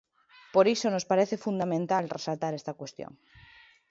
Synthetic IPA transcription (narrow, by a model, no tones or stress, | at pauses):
poɾisonospaɾeθefund̪amẽnt̪alresalt̪aɾest̪akwest̪jo̰ŋ